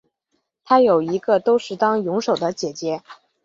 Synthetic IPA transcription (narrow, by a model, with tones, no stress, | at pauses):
t̪ʰa˥jo˨˩ʊi˧˥ɡə˧t̪o˥ʊʂɻ̩˥˩t̪ɑ˥ŋjʊ˧˥ŋʂo˨˩ʊd̪ə˦t͡ɕjɛ˨˩t͡ɕjɛ˧˥